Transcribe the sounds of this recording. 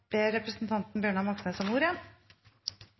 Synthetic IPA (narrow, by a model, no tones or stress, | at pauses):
b̥eːɾɛpɾəsn̩t̪ʰɑnt̪n̩bjøːɳɑmɑksnəsɔmuːɾɪɛn